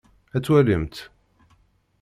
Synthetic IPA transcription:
æt͡sːwæləmt̪

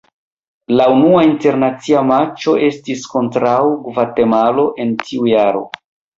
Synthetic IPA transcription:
launuainte̞ɾnat͡siamat͡ʃo̞ʔe̞stisko̞ntɾawɡvate̞malo̞ʔe̞ntʰiujaɾo̞̰

